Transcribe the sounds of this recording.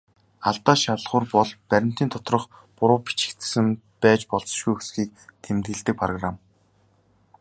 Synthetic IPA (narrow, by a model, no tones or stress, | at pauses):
aɮt̪aːʃaɮχʊːrpɔɮpæɾʲɪ̆m̥t̪iːnt̪ʰʊ̥t̪rɞ̆χ | pʊɾʊːpi̥t͡ɕɪ̥̆kt̪sɘ̆mpæːt͡ɕpɔɮt͡sɞ̥̆ʃɡujxusxiːk̚t̪ʰemt̪ɡɘ̆ɮt̪ɘ̆k̚pʰrɔɣram